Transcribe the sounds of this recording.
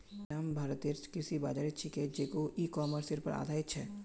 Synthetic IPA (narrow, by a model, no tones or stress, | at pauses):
ambʱaːɾət̪eːɾskɪsiba̰ːd͡ʒaːɾɪt͡ʃʰiked͡ʒeːkoiːkɔːməɾsɪɾpɐ̰ɾʔa̰ːd̪ʱaːɪt̪t͡ʃʰɛː